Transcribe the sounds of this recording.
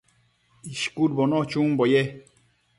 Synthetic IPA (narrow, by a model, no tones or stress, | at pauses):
iʃkud̚bɔnɔt͡ʃũmbojɛ